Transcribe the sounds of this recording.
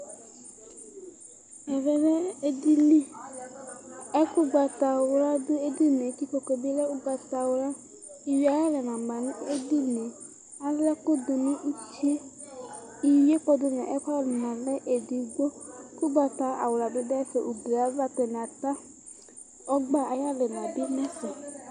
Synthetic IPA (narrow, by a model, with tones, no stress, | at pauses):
ɛ˨ɾɛ˨ɾɛ˦e˦di˦li˦ | ɛ˦kʊ˦ɡ͡ba˨ta˨wʊ˨ɾa˦dʊ˦e˦di˦ne˨ki˦ko˨ko˨bi˦lɛ˦ʊ˦ɡ͡ba˨ta˨wʊ˨ɾa˦ | i˨wi˨˦a˨ɾɛ˦ɾɛ˨na˨ma˨nɪ˦e˦di˦ne˨ | a˨lɛ˦ko˦d̪ʊ˨nĩ˦ʔu˦t͡ʃi˦e˦ | i˨je˦k͡pɔ˦dʊ˦m˨a˨ʔɛ˦ka˦a˦˨lʊ˨nã˨lɛ˦ʔe˨di˨ɡ͡bo˦kʊ˦ɡ͡ba˨t̪a˨a̰˨wla˨dʊ˦dfɛ˨ʔu˨de˨a˨˦va˦t̪ɛ˨n˨a˨t̪a˦ | ɔ˦ɡ͡ba˦a˨ja˦lɛ˨nã˨bɪ˦nɛ̃˦sɔ˨